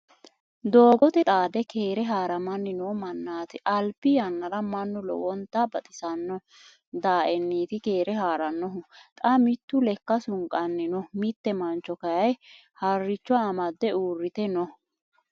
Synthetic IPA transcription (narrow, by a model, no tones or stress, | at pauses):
d̪oːɡɔt̪ɛt̪ʼaːd̪ɛke̞ːɾɛɦaːɾɐmɐnːɪnɔmɐnːaːt̪ɪʔɐlpːɪjɐnːɐɾɐmɐnːʊlɔ̰wɔnt̪ːabɐt̪ʼɪsɐnːɔ | d̪aːʔɛnːiːt̪ɪke̞ːɾɛɦaːɾɐnːɔɦʊt̪ʼɐmɪt̪ːʊlɛkːɐsʊŋkʼɐnːɪnɔmɪt̪ːɛmɐnt͡ʃːɔkɐjɐj | hɐrːɪt͡ʃːɔaːmɐd̪ːɛuːrːɪt̪ɛnɔ